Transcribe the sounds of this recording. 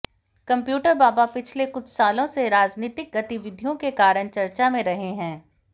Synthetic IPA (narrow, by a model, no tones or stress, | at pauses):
kɐ̃mpjuːʈəɾbaːbapɪt͡ʃʰlekʊt͡ʃʰsaːlõseɾaːd͡ʒniːt̪ɪk̚ɡɐt̪ɪʋɪd̪ʱijõkekaːɾəɳt͡ʃɐɾt͡ʃamẽɾɐɦeɦɛ̃ː